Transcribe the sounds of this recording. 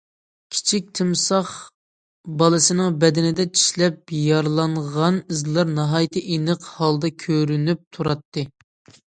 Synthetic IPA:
kʲʰi̥t͡ʃʰik̚ʲt̪ʰɨmsɑχ | bɑlˠɨsɨnɨŋbɛd̪ɪnɪd̪ɛt͡ʃʰi̥ʃlɛpjɑɾlˠɑɴʁɑnizlˠɑɾnɑɦɑjt̪ʰɨʔenɨqhɑlˠd̪ɑkʲʰøɾynyp̚t̪ʰuɾɑt̪ːɨ

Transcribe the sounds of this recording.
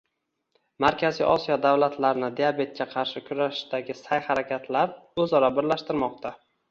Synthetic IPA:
maɾkʲʰazḭʔɒsijɒd̪avlat̪ʰlaɾnɪd̪ejabe̞t̪̚kʲaqʰɑɾʃɪkʰʊɾaʃd̪aɡʲɪsajhaɾakʲat̪ʰlaɾɵzɒɾɒbɪɾlaʃt̪ɪɾmɒq̚t̪ʰa

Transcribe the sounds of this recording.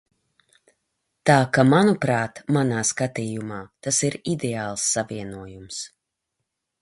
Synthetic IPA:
t̪aːkamanupɾaːt̪manaːskat̪iːjumaːt̪asiɾid̪eaːlˠsːaviɛnuɔjums

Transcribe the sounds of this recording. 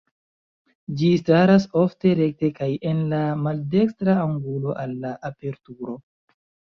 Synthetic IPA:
d͡ʒistaɾaso̞fte̞ɾe̞k̚te̞kaje̞nlamalde̞kstɾaaŋɡulo̞ʔalːaʔape̞ɾtuɾo̞

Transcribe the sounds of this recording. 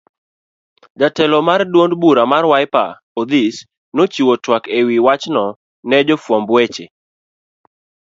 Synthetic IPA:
d͡ʒatɛlɔmardwondbuɾamarwajpa̰ | od̪is | not͡ʃiwotwakewiwat͡ʃnɔ | nɛd͡ʒɔfwɔmbwet͡ʃe

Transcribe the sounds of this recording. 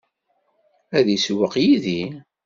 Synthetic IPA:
æðiswəqjiði

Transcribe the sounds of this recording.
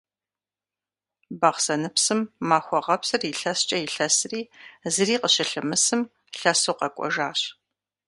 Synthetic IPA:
bɐχsɐnɨpsɨmːaːxʷɔʁɐpsɨriɬɐst͡ʃʼɐjɪɬɐsɨriːzɨriːqəɕɪɬɨmɨsɨm | ɬɐsoqɐkʷʼɔ̰ʒaːɕ

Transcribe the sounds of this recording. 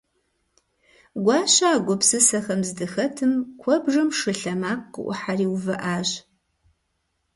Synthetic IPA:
ɡʷɑːɕaːɡʷɔpsɨsɐxɐmzɨdɨxɐtʰɨmkʷʰɔbʐɐmʂɨɬɐmaːqːə̰ʔʷʊ̰ħariːwvɐʔaːʑ

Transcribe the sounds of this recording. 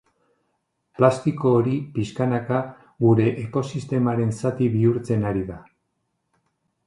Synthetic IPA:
plast̪iko̞ːɾipiskanaka | ɣuɾe̞ʔeko̞sist̪e̞maɾe̞nsat̪iβiuɾt͡se̞naɾiða

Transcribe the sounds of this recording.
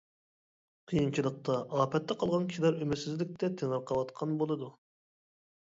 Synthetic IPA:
qʰijint͡ʃʰilˠəq̚t̪ɑʔɑːpɛt̪ːɛqʰɑlˠʁɑnkʲi̥ʃilæɾymɪɾsɪzlɪk̚ʲt̪ʰɛt̪ʰeŋəɾqʰɑwɑt̪qʰɑnbolˠɨd̪u

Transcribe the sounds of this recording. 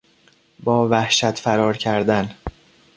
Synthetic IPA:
bɒːvæhʃæt̪ʰfæɾɒːɾcʰæɾd̪æn

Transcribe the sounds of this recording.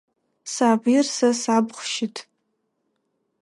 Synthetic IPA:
saːbirsasabχʷʃitʰʼ

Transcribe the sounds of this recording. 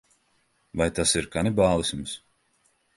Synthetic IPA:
vajt̪asiɾkanibaːlˠisʲms

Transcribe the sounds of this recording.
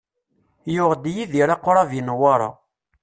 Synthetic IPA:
jʊʁd̪jiðiɾɑqːoɾˤɑvjinwɑɾˤɑ̰

